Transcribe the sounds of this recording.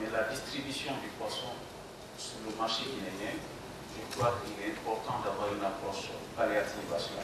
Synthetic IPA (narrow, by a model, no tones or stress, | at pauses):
mɛladist̪ɾibysjɔ̃d̪ypwasɔ̃ | suləmaʁʃebinɛ̃jɛ̃ | puɾkwakilɛɛ̃pɔɾt̪ɑ̃d̪avwaɾɛ̃nakɔɾsyʁpaleat̪ivasjɔ̰̃